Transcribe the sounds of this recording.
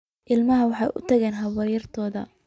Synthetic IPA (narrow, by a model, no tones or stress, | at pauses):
ʔɪlmɐɦɐwɑħɑjʔʊ̰t̪ʰɐɣɛːnɦɐwɛːjɐrt̪ʰɔːðɐ̰